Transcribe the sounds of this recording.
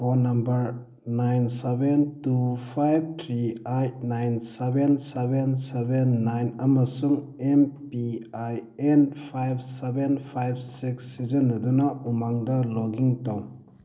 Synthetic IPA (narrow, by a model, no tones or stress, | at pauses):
pʰonɐmbɐɾ | najnsebentupʰajb̚tʰɾiajnajnsebensebensebenːajnɐmɐsuŋempiajenpʰajb̚ʰsebenpʰajb̚siksːizɐnːɐdunɐumaŋdɐloɡiŋtaw